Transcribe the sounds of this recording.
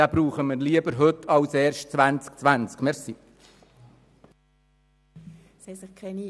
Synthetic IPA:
aːbɾuːχəməɾliəbəɾɦɵtʰːɑwsɛːrʃtt͡sʋænt͡sk̚t͡sʋænt͡skmɛɾsi | sɛsɪχkʰɛni

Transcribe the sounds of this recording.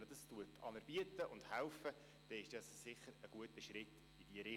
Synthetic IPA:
ədɑstuətʰɑ̰nəɾb̥iətəʔʊnd̪hælfə | d̥ɛɪʃd̥ɑssɪχːəɾəɡ̥uətəʃɾɪt | id̥iəɾɪ

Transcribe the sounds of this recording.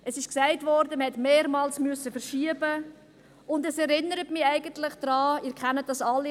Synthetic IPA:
əsɪʃksæɪtvɔɾdəməhɛtmeːɾmɑːlsmʏsːəfəɾʃiəbə | ʊndəsɛɾɪnːəɾətmɪæɪɡəntlɪχd̥ɾɑːɪːɾkχɛnət̚d̥ɑsɑlːi

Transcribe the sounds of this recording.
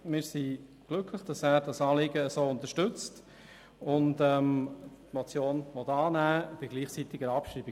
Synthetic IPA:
mɪːɾsi | ɡ̥lʏkʰləχd̥ɑsæːɾdɑsɑːlɪɡəəsoːʊntəʃtʏt͡st | ʊntɛmtmɔt͡sjoːnʋɔtɑːnæːb̥ɪɡ̥liːχt͡sitɪɡəɾɑpʃɾiːbi

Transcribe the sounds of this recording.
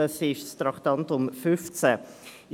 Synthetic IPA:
əsɪʃst̪ɾɑkt̪ɑntʊmfʏft͡sɛ

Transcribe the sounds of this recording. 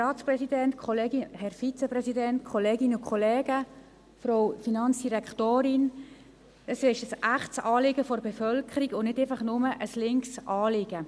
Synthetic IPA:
rɑːtsprɛsidɛntkʰχɔleːɡɪhɛɾfit͡sɛpɾɛsidɛnt̪kʰɔleːɡɪnʊkʰχɔlɛːɡ̥ə | fɾowfinɑnt͡sd̥iɾɛkʰtoːɾɪn | əsɪʃəsæχtsɑːlɪɡəfɔɾbefœlkʰəɾiɡʊnɪdɛfɑχnʊməʔəslɪŋksʔɑːlɪɡ̥ə

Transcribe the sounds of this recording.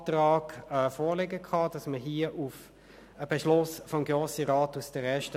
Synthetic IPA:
tʁɑːɡɛfɔːleɡəkʰɑd̥ɑsməɦiːəʔuf | əb̥eʃlʊsfɔmɡʁoːsəɾaːtusd̥əɾɛɐʃtə

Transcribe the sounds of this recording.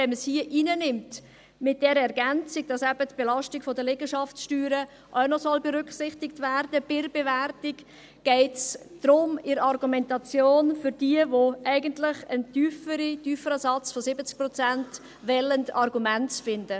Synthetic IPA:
vɛnməshiəʔiːnənɪmt | mɪt̚d̥ɛɾəɛɾɡænt͡sɪɡ̚d̥ɑsæbətb̥elɑʃtɪɡ̥fɔdəlɛɡəʃɑfsʃtyːɾə | ʔaʊnɔsɔlbeɾʏkχsɪχtɪktvæɾd̥əb̥ɪɾbevɛrtɪk | ɡ̥ɛɪtsd̥ɾʊmɪɾɑrɡumɛntɑt͡sjoːnfʏɾd̥iəvoʔæɪɡəntlɪχəntyːfəɾityːfəɾəsɑt͡sfɔsɪbət͡sk̚pɾɔt͡sænt | vɛləndɑrɡumæntfɪndə

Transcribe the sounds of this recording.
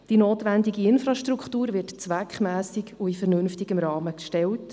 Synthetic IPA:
d̥inoːtʋændiɡiɪnfrɑʃtrukχtuːɾʋɪɾtt͡sʋækχmæːsikuifɛɾnɵnftiɡəmɾɑːməkʃtɛwt

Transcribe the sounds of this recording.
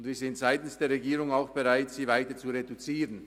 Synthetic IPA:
ʊntviːɐzɪntz̥aɪtn̩sd̥eːɐʁeɡiːɾʊŋaʊxb̥eʁaɪtsiːvaɪtət͡suʁedut͡siːʁən

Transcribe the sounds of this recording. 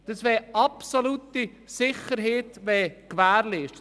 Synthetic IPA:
d̥əsʋɛʔɑpsolut̪i | sɪχəɾɦeːt̪ʋɛkʋæːɾleːʃ

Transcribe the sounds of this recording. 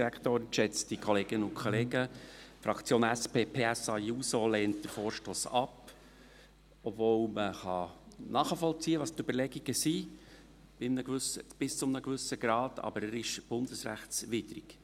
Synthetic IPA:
ɾækt̪oːɾnʃɛt͡sd̥ikʰɔleɡ̥ənəʊkʰɔleːɡəfɾɑkʰt͡sjoːnæspeːpʰeːæsɑjuːsoleːnt̚d̥əɾfoːɾʃtoːsɑp | ɔbvowməχɑnɑːχəfɔlt͡siːəʋɑst̪øbəɾlɛɡiɡəsi | b̥ɪmnəɡʋʏsəb̥ɪst͡sʊmnəɡʋʏsəɡɾɑːdɑ̰bəɾæɾɪʃb̥ʊnd̥əsɾæχtsʋɪdɾḭk

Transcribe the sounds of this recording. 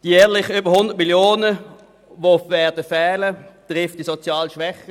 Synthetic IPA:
d̥ijɛːɐlɪχəʏbəhʊnd̥ət̚miljoːnə | ʋovɛːɐdəfɛːlətʁɪft̚d̥isɔt͡sjɑːlʃʋɛχə

